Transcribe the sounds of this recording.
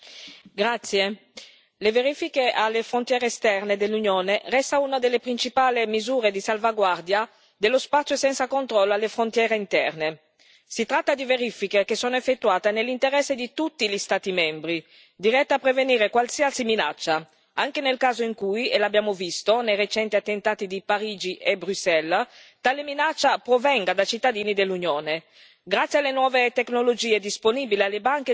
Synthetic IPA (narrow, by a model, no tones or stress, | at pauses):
ɡɾat̪sːje | leveɾifikealːefɾont̪jɛːɾeːst̪ɛrned̪elːunjoːnerɛst̪aunad̪elːepɾint͡ʃipaːlemizuːɾed̪isalvaɡward̪ja | d̪elːospat̪sjosɛnt̪sakont̪ɾɔlːoalːefɾont̪jɛːɾeint̪ɛrne | sit̪ɾat̪ːad̪iveɾifikekesːoːnoefːet̪ːuaːt̪enelːint̪eɾɛsːed̪it̪ut̪ːiʎist̪aːt̪imɛmbɾi | d̪iɾɛt̪ːaːpːɾeveniːɾekwalsiasimina̰t͡ʃːa | aŋk̟enelkaːzoiŋkujelabːjaːmovist̪onejret͡ʃɛnt̪iat̪ːent̪aːt̪id̪ipaɾiːd͡ʒiʔebɾusɛlt̪aleminat͡ʃːapɾovɛŋɡad̪at͡ʃit̪ːad̪iːnid̪elːunjoːne | ɡɾat̪sːjialenwɔːvet̪eknolod͡ʒiːed̪isponiːbilealːebaŋke